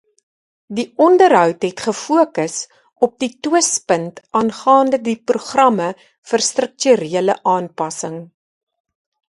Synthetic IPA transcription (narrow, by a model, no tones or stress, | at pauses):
diʔɔndərɦœwtɦɛtχəfuəkəs | ɔp̚dituəspəntʔɑːnχɑːndədipruχrɐmə | fərstrək̚tyɾiələʔɑːnpɐsəŋ